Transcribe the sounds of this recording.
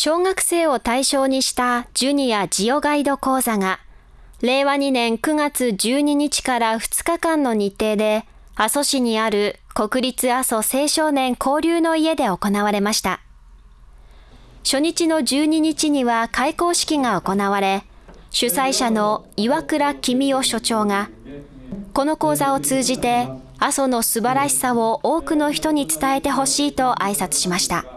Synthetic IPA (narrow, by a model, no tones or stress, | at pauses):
ɕo̞ːŋakɯ̥se̞ːo̞t̪aiɕo̞ːɲ̟iɕi̥t̪ad͡ʑɨɲ̟ijad͡ʑijo̞ɡaid̪o̞ko̞ːzaŋa | ɾe̞ːβaɲ̟inẽ̞ŋkɯ̟ŋat͡sɨd͡ʑɨːɲ̟iɲ̟it͡ɕi̥kaɾaɸɯ̟̥t͡sɨ̥kakãnːo̞ɲ̟it̪ːe̞ːd̪e̞ | aso̞ɕiɲ̟iaɾɯ̟ko̞kɯ̟ɾʲit͡sɨaso̞se̞ːɕo̞ːnẽ̞ŋkʰo̞ːɾʲɯːno̞ie̞d̪e̞o̞ko̞naβ̞aɾe̞maɕi̥t̪a | ɕo̞ɲ̟it͡ɕino̞d͡ʑɨːɲ̟iɲ̟it͡ɕiɲ̟iβakaiko̞ːɕi̥kʲiŋao̞ko̞naβaɾe̞ | ɕɨsaiɕano̞iβakɯ̟ɾakʲimʲio̞ɕo̞t͡ɕo̞ːŋa | ko̞no̞ko̞ːzao̞t͡sɨːʑit̪e̞ | aso̞no̞sɨbaɾaɕi̥saβo̞ʔoːkɯ̟no̞çi̥t̪o̞ɲ̟it͡sɨ̥t̪ae̞t̪e̞ɦo̞ɕiːt̪o̞ʔaisat͡sɨ̥ɕimaɕi̥t̪a̰